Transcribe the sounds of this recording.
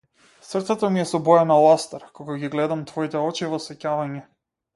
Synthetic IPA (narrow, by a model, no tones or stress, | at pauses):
srt̪sɛt̪ɔmiɛsɔbɔjanalˠast̪ɛɾkɔɡaɡiɡlɛd̪amt̪vɔit̪ɛɔt͡ʃivɔsɛcavaɲɛ